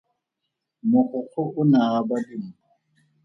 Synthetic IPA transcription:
mʊχʊk͡xʰʊʔʊnabadɪm̩

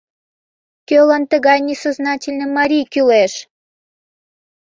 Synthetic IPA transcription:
kølɑnt̪əɣɑjnʲisoznɑtʲilʲnəmɑɾʲijkyleʃ

